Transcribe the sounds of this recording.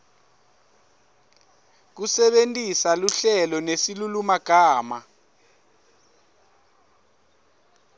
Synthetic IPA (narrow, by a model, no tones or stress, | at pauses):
k̬usɛɓentʼisaluɬɛlɔnesilulumaɡ̥ʱaːma̰